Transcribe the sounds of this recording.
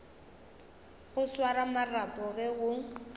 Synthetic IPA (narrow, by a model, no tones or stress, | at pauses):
ɣʊswaɾamarapʼɔɣɛɣʊ